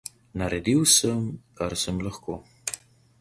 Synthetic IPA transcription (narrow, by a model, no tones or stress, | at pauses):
naɾed̪iwsəmkaɾsəmləxko